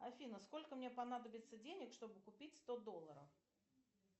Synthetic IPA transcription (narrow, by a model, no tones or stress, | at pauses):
ɐfʲinəsko̞lʲkəmnʲepɐnad̪əbʲɪt̪sːədʲenʲɪkʂt̪o̞bɨkʊpʲitʲst̪od̪o̞lˠːəɾə̰f